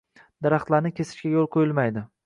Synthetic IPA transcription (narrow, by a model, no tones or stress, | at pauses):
d̪̥aɾaχt̪laɾnɪkʲʰe̞sɪ̥ʃkʲajolˠqʰojɪlmajd̪ɪ